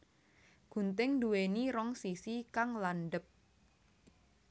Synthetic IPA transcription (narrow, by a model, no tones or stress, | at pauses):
ɡ̥ṳnt̪ɪŋduweniɾɔŋsisikaŋlanɖəp̚